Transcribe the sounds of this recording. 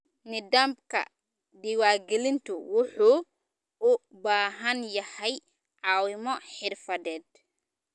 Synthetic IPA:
nɪd̪aːmb̚kʰɐ̰ | d̪ɪwaːrɡɛlɪnt̪ʰʊwʊħuː | ʊbaːɦɐnjɐhɛj | ʕɑːwɪmɔħɪrfɐðɛːd̪̥̚

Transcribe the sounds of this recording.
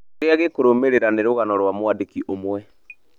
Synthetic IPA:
ɣeaɣekoɾomeɾeɾaneɾoɣanɔɾwamwadekiʔomwɛ

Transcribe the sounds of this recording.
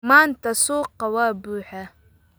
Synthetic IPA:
maːnt̪ʰɐsuːqːɑwaːbuːħa

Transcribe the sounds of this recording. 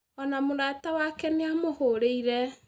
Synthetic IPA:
ɔnamoɾatawakɛneamohoɾeiɾɛ

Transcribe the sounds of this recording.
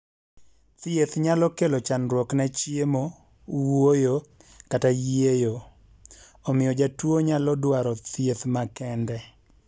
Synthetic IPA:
t̪ɪet̪ɲalɔkelɔt͡ʃanɾwɔknat͡ʃiemo | wojokatajejo | ɔmɪɔd͡ʒatwoɲalɔdwaɾɔt̪jet̪makɛndɛ

